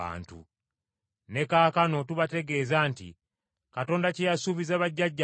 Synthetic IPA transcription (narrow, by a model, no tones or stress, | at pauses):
a̰ːntṵ | ne̞kaːkano̞tuβate̞ɡe̞ːzaːntḭ | kato̞ːndacejasuβizaβaɟːaɟːa